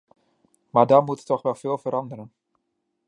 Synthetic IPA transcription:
maːɹdɔnmuttɔχʋɛlˠv̥ɪːlˠvəɾɑndəɾən

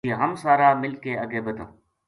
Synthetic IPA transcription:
ieɦəmsaːɾaːmɪlkeəɡeːbəd̪ʱõ̰

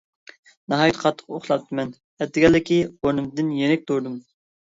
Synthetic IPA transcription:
nɑɦɑːjit̪qʰɑt̪ʰːə̥qoχlˠɑp̚t̪ʰɨmɛn | ɛt̪ːɪɡʲɛlːɪkʲionɨmd̪ɪnjenɪk̚ʲt̪oɾd̪um

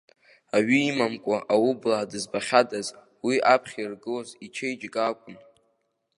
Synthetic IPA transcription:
aɥiːmamkʷʼaʔawublaːdɨzbaχʲadʼaz | wiʔapʰχʲirɡɨlazit͡ʃʰejd͡ʒʼɡʼakʷʼʊn

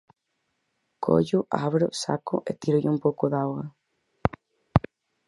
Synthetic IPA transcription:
kʰo̰ʎʊʔa̰βɾʊsa̰kʊ̰ʔḛt̪iɾʊʎɪumpowkʊðawɣɐ

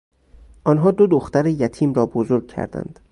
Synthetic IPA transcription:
ʔɒnɦɒːd̪od̪oxt̪æɾejæt̪ʰiːmɾɒːbozoɾɡ̚cʰæ̰ɾd̪æ̰nd̪̥

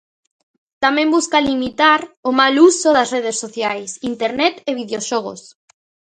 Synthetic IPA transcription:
t̪amẽmbuskalimit̪aɾomalusoðasreð̞esːoθjajsint̪eɾnɛt̪eβ̞iðjoʃɔɣ̞o̰s

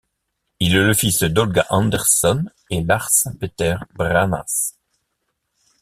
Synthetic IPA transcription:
ilɛləfisd̪ɔlɡaʔɑ̃nd̪ɛʁsɔn | elaʁspet̪ɛʁbʁana̰s

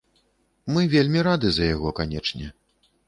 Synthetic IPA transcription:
mɨvʲelʲmʲiɾad̪ɨzɐjaɣɔkanʲɛt͡ʂnʲɛ

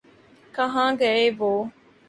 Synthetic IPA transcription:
kɐɦãːɡeeːʋoː

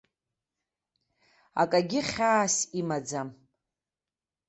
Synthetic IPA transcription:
a̰kʼaɡʲɪχʲaːsimad͡zam

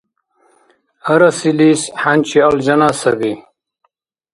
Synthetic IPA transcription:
ɐɾɐsilisħant͡ɕiɐld͡ʑɐnaːsɐbi

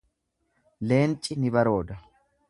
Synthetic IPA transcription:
le̞ːnt͡ʃʼːɪnɪbɐɾo̞ːd̪ɐ

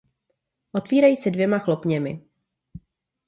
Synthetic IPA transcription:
ʔo̞t̪viːɾajiːsɛdvjɛmaxlo̞pɲɛmɪ̰

